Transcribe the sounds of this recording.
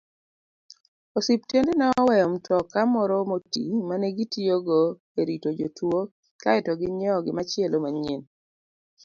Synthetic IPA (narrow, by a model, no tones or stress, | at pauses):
osip̚tjendenaɔwɛjɔmtʰɔkamɔɾɔmotḭmanɛɡitioɡo | eɾitod͡ʒotwo | kaɛtɔɡɪɲɔɔɡɪmat͡ʃɪɛlomaɲen